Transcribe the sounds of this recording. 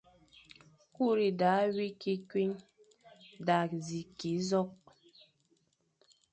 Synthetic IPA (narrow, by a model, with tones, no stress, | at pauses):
ku˦˨ɾi˨da˨˦wi˦ki˦kwi˦ɲ | da˨zi˨ki˨˦zɔ˦k̚